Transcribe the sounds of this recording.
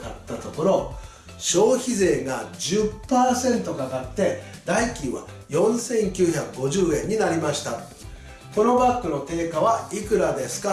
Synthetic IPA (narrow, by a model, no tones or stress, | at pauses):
kat̪ːat̪o̞ko̞ɾo̞ | ɕo̞ːçize̞ːɡad͡ʑɨpːaːsẽ̞nt̪o̞kakat̪ːe̞d̪aikʲĩɰβa̰ | jõ̞ɰ̃sẽ̞ŋkʲɨːçakɯ̟ɡo̞ʑɨːẽ̞ɲ̟ːinaɾʲimaɕi̥t̪a | ko̞no̞bakːɯ̟no̞t̪e̞ːkaβaikɯ̟ɾad̪e̞sɨ̥ka